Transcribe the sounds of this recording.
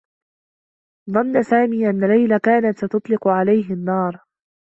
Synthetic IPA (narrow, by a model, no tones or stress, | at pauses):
ðˤɑnːasaːmiːʔanːalajlakaːnat̪st̪ʊt̪ˤlɪqʊʕalajɦɪnːɑːɾˤ